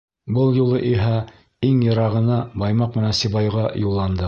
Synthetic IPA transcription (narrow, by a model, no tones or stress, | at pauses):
bɤlˠjulˠɤʔiɦæ | iŋjɤ̆ɾɑʁɤ̆nɑbɑjmɑq̚mɘ̆nænsiβɑjʁɑjulˠːɑnd̪ɤ